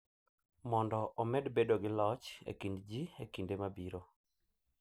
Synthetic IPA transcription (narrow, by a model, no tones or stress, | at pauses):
mɔndɔʔɔmɛdbedoɡɪlɔt͡ʃḛkindd͡ʒiekindemabiɾo